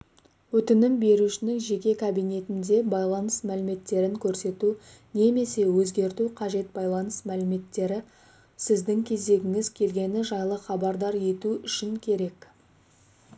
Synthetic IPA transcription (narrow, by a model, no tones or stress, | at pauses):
wɵt̪ɪnɪmbe̞ɾuʃɪnɪŋʒe̞kʲe̞kʰabijne̞t̪ɪnd̪e̞bɑjlˠɑnəsmælɪme̞t̪ːe̞ɾɪŋkʲʰɵɾse̞t̪u | ne̞me̞se̞wɵzɡʲe̞ɾt̪uqʰɑʒe̞t̪̚bɑjlˠɑnəsmælɪme̞t̪ːe̞ɾɪ | sɪzd̪ɪŋkʲʰe̞ze̞ɡʲɪŋɪzkʲʰe̞lɡʲe̞nɪʒɑjlˠəχɑbɑɾd̪ɑɾje̞t̪uʏʃɪŋkʲʰe̞ɾe̞k